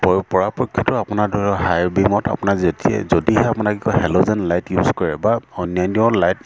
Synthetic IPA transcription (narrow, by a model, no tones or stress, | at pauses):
pɔpɔɹapɔkʰːjɔtʊapʊnadʱɔɹɔɦajɹbimɔta̰pʊnazetiɛ̰zodiɦɛapʊnakikɔhɛlozɛnlajtjuzkɔɹɛbaɔnjaniɔlajt